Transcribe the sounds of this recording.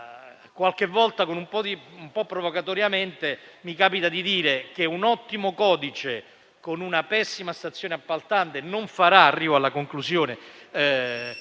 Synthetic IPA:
kwalk̟evːɔlt̪akonumpɔd̪iumpɔpːɾovokat̪ɔɾjament̪emikaːpit̪ad̪id̪iːɾek̟eunɔt̪ːimokɔːd̪it͡ʃe | konunapɛsːimast̪at̪sːjoːneapːalt̪ant̪enoɱfaɾaːrːiːvoalːakoŋklusjoːne

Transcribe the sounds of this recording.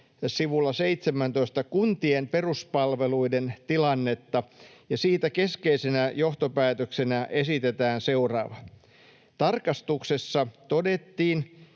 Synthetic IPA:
siʋulːɑseit̪semænt̪oist̪ɑkunt̪iemperuspɑlʋeluident̪ilɑnːet̪ːɑ | jɑsiːt̪ækeskeisenæjoht̪opæːt̪øksenæʔe̞sit̪et̪æːnseurɑ̰ːʋɑ | t̪ɑrkɑst̪uksesːɑt̪odet̪ːiːn

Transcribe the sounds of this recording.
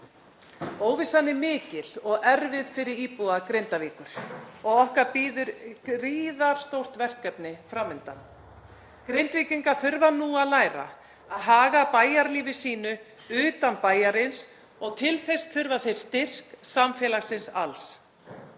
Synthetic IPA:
oːwvɪsanːɪmɪːcɪl̥ɔɣɛɾvɪðfɪɾɪɾiːpuðakɾejnt̪aviːkʏɾ̥ɔɣɔhkaɾpiːðʏɾriːðaɾ̥st̪owr̥t̪vɛr̥kːɛpnɪfɾamʏnt̪a̰n | kɾejnt̪viːciŋkaθʏɾvanuːaðlaːjɾa̰ | aðɦaːɣapaːjaɾliːvɪsiːnʏ | ʏːt̪anpaːjaɾɪns | ɔɣt̪ʰɪlθest̪ʰʏɾvaθejɾ̥st̪ɪr̥ksamfjɛːlaɣsɪnsa̰ls

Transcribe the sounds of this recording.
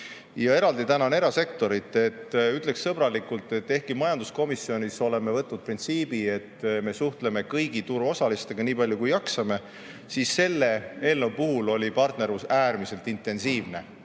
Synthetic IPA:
jɑe̞ɾɑld̪it̪ænɑne̞ɾɑse̞k̚t̪o̞ɾit̪ːˑe̞t̪ːyt̪ˑle̞kssɤb̥ɾɑlikult̪ˑe̞t̪ːe̞hkimɑjɑnd̪̥usko̞misːio̞nʲiso̞le̞me̞vɤt̪ːˑnud̪̥̚print̪siːbie̞t̪ːme̞suht̪le̞me̞kɤjɡit̪uɾuo̞sɑlist̪e̞ɡ̥ɑniːpɑlʲjukujɑksɑme̞ | siːsːe̞lːe̞e̞ːlnewpuɦulo̞lʲipɑrt̪ne̞ɾusæːɾmise̞lt̪ˑint̪ˑːe̞nsiːvne̞̰

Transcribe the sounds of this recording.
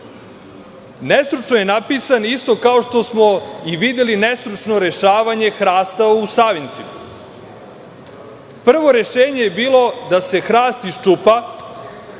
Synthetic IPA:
nest̪ɾut͡ʃnojenapiːsanist̪o̞kao̞ʃt̪o̞smo̞iʋid̪jelinest̪ɾut͡ʃno̞ɾe̞ʃaːʋaɲe̞xɾaːst̪ausaʋint̪sima | pr̩ʋo̞ɾe̞ʃeːɲe̞jebiːlˠo̞d̪ase̞xɾaːst̪iʃt͡ʃupa

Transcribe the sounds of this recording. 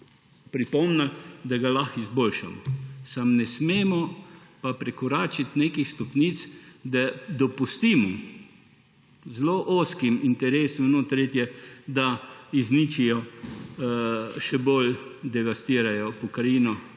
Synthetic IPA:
pɾipɔmnad̪aɡalaxizbolʃa̰mɔ̰samnɛsmeːmɔpapɾɛkɔɾaːt͡ʃit̪nekixst̪ɔpniːt̪sd̪ɛd̪ɔpust̪iːmɔ | zloʔoːskimint̪ɛɾeːsɔmnot̪ɾeːt̪jɛd̪aizniːt͡ʃijɔ | ʃɛbold̪ɛʋast̪iːɾajɔpɔkɾajiːnɔ

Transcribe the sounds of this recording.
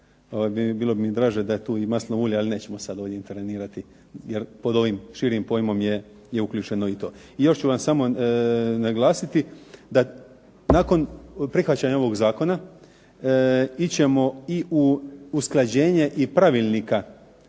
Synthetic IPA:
oʋajmibiːlˠo̞bimid̪ɾaːʒed̪ajet̪uːimaslnoʋulʲealine̞ːt͡ɕe̞mosad̪o̞ːʋdjeint̪eɾʋeniːɾat̪i | jeɾpo̞d̪o̞ʋimʃiːɾimpo̞jmo̞mje | jeuklʲuːt͡ʃe̞no̞it̪o̞ː | ijo̞ʃt͡ɕuʋamsamo̞ | naɡlˠaːsit̪id̪a | naːko̞npɾixʋat͡ɕaɲao̞ʋoɡzaːko̞na | it͡ɕe̞mo̞iʔuusklˠad͡ʑe̞ːɲeʔipɾaʋilnika

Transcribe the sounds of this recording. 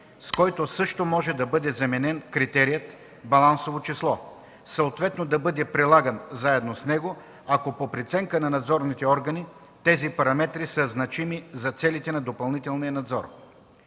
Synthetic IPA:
skɔjt̪osɤʃt̪omɔʒɛd̪ɐbɤd̪ɛzɐmɛnɛnkɾit̪ɛɾijət̪ | bɐlˠansovot͡ʃislˠɔ | sɐot̪vɛt̪nod̪ɐbɤd̪ɛpɾilˠaɡənzaɛd̪nosnɛɡo | ɐkopopɾit̪sɛŋkənɐnɐd̪zɔɾnit̪ɛɔɾɡəni | t̪ɛzipɐɾɐmɛt̪ɾisəznɐt͡ʃimizɐt̪sɛlit̪ɛnɐd̪opɐlˠnit̪ɛlˠnijənɐd̪zɔɾ

